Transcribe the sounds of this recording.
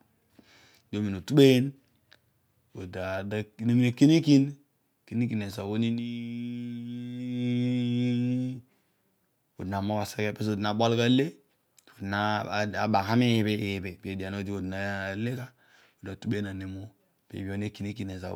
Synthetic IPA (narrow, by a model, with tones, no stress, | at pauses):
do˦mi˨no˨tu˦ɓe˦je˦n | o˨da˨da˦ne˦m˦e˦ki˦ni˦ki˦n | ki˦ni˦ki˨ne˨za˨wo˦ni˦ni˦ | o˨dna˨mo˦ba˨se˦ke˦pe˦s̬o˨dna˨bo˦lka˦le˦˨ | o˨na˦˨a˨ba˨ŋha˦me˦jbe˦˨be˨pe˨di˨a˨no˦di˦o˨dna˨le˦ka˦ | o˨da˨tu˦be˦e˦na˨ne˨˦mo˦ | pḛ˨bi˨˦o˦n˦e˦ki˦ni˦ki˦ne˨za̰˨